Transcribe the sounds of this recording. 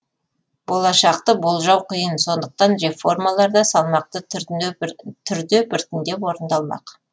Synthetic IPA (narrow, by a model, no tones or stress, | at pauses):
bo̞lˠɑʃɑqt̪əbolˠʒɑwqʰəjənso̞nd̪əq̚t̪ɑnɾe̞fo̞rmɑlˠɑɾd̪ɑsɑlˠmɑq̚t̪ə | t̪ʰʏɾd̪ebɪɾt̪ɪnd̪e̞pwo̞ɾənd̪ɑlˠmɑ̰q